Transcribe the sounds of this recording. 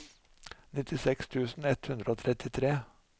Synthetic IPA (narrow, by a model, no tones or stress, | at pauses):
nɪt̪ɪsɛkst̪ʰʉːsn̩ɛt̪hʉnd̪ɾəoːt̪ʰɾɛt̪ɪt̪ʰɾeː